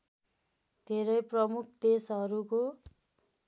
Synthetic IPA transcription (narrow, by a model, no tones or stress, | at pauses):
d̪ʱeɾʌjprʌmukʰd̪esɦʌɾuko